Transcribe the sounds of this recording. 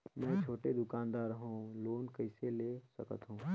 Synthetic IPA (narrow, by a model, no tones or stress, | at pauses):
mɛ̃ːt͡ʃʰoːʈed̪ʊkaːnd̪aːɾɦũːloːnkəɦɪseleːsəkə̰t̪ɦũː